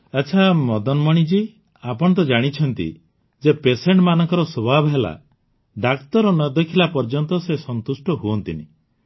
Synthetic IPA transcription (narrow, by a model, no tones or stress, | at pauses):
et͡ʃʰamɔd̪ɔnmɔɽ̃id͡ʒi | apɔɽɔt̪̬ɔd͡ʒaɽ̃it͡ʃʰɔnt̪ḭ | d͡ʒepeseɳʈmanɔŋkɔɾɔsobʱabʱɔɦela̰ | ɖakt̪ɔɾɔnɔd̪ekʰilapɔɾd͡ʒɔnt̪ɔsesɔnt̪usʈɔɦuɔnt̪inḭ